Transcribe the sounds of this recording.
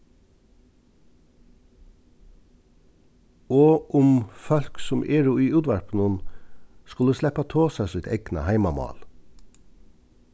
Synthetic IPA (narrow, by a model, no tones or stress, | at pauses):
oːʔʊmfɑlksʊmʔeːɹuːiːʔʉːd̪ʋæɹpn̩ʊnskʉləslɛpɑt̪ʰoːsɑsɪt̪ʰɛɡnə̰hæɪmɑmɑ̰ːl